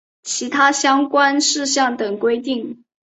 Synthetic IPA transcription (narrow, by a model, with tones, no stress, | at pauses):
t͡ɕʰi˧˥t̪ʰa˥ɕjɑ˥ŋkwa˥nʂɻ̩˥˧ɕjɑ˥˩ŋt̪ə˨˩ŋkwe˥ɪt̪i˥˩ŋ